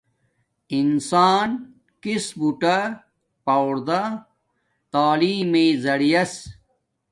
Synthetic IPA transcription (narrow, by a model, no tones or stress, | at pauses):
insaːn | kisbuʈa | pawɽd̪a | t̪aːliːmezɐɽijɐs